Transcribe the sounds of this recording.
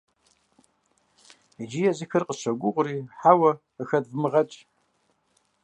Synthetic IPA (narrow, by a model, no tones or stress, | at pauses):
id͡ʒijɐzikʰɨrqʼəʃʷaɡʷʊʁʷʼʊriħawɐ | əxɐdvmɨʁɐt͡ʃʼ